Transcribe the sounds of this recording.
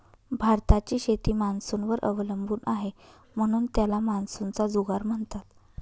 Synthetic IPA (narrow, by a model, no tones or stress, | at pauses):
bʱaɾt̪at͡ɕiːɕet̪iːmansunʋəɾʔə̰ʋləmbʱuːnʔaɦe | m̤əɽ̃uːnt̪jalamansunt͡sad͡zuɡaɾm̤əɳt̪at̪